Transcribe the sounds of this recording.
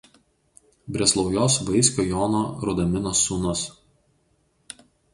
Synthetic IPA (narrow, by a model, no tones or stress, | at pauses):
bʲɾʲɛslˠɒʊjoːsʋɐɪsʲkʲoːjoːnoːɾʊd̪ɐmʲɪnosːunʊs